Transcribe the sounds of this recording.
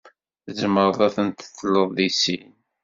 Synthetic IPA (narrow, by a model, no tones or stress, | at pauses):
θəzəməɾˤðˤæθənt̪ə̥θəlːəðˤðisin